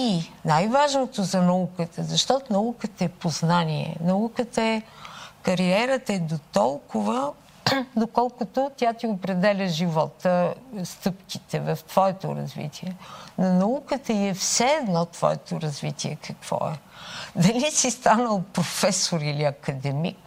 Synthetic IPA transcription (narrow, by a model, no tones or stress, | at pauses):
inajvaʒnot̪ozɐnɐukət̪əzɐʃt̪ɔt̪onɐukət̪əɛpoznaniɛ̰nɐukət̪əɛkɐɾiɛɾət̪əɛd̪ot̪ɔlˠkʊvə | d̪okɔlˠkʊt̪ot̪ʲjat̪iopɾɛd̪ɛlʲəʒivɔt̪əst̪ɤpk̟it̪ɛvɐft̪v̥ɔɛt̪o̰ɾɐ̰zvḭt̪iɛnonɐukət̪əiɛfsɛːd̪nɔt̪v̥ɔ̰ɛt̪oɾɐzvit̪iɛkʰɐkv̥ɔ̰ɛ̰d̪ɐlisist̪anəlˠpɾofɛsoɾiliɐkɐd̪ɛmḭk